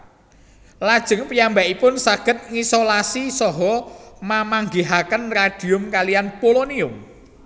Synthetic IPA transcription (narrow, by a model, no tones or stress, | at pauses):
lad̥ʒ̥ə̤ŋpijambaʔipʊnsaɡ̥ət̪̚ŋisolasisɔɦɔmamaŋɡiɦakənrad̥i̤ʊmkalijanpoloniʊm